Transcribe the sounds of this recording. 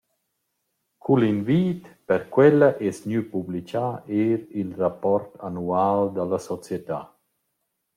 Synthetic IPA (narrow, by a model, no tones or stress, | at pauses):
kʰulinviːt̪pəɾkwɛlaʔɛsɲypublit͡ʃaeːɾilrapɔɾt̪anuald̪alasɔt͡sjet̪a̰